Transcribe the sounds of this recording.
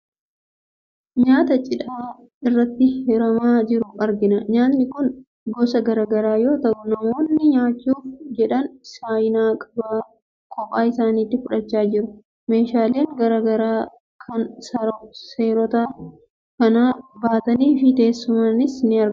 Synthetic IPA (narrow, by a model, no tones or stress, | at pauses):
ɲaːt̪ɐt͡ʃʼɪᶑaː | ɪrːɐt̪ːɪhɛɾɐmaːd͡ʒɪɾʊʔɐɾɡɪnɐɲaːt̪nɪkʊn | ɡɔsɐɡɐɾaːɡɐɾaːjo̞ːt̪ɐʔʊnɐmoːnːɪɲaːt͡ʃːuːfd͡ʒɛᶑɐnsaːjɪnaːkʼɐbaː | kʼɔpʼaːɪsaːniːt̪ːɪfʊᶑɐt͡ʃːaːd͡ʒɪɾʊ | me̞ːʃaːle̞ːŋɡɐɾaɡɐɾaː | kʰɐnsɐɾɔseːɾɔt̪a | kɐnaːbaːt̪ɐniːfɪd̪e̞ːsːʊmɐnɪsnɪɐɾɡ